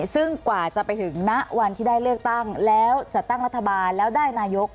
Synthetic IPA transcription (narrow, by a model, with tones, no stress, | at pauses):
sɯ˥˩ŋkwaː˨˩t͡ɕa˨˩pa˧jt̪ʰɯ˩˦ŋna˦˥ʔwa˧nt̪ʰiː˥˩daː˥˩jlɯ˥˩ək̚t̪a˥˩ŋlɛː˦˥wt͡ɕa˨˩t̪a˥˩ŋɾa˦˥t̪ʰːa˧baː˧nlɛː˦˥wdaː˥˩jnaː˧jo˦˥k̚